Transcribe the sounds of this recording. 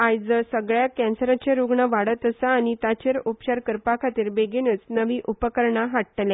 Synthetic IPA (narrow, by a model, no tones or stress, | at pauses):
ajd͡zəsəɡɭjakɛ̃nsəɾat͡ɕeɾuɡɳəʋaɽət̪əsaːñit̪at͡ɕeɾupɕaɾkəɾpakʰat̪iːɾbeɡenət͡snəʋiːʔupəkəɾɳaɦaʈʈle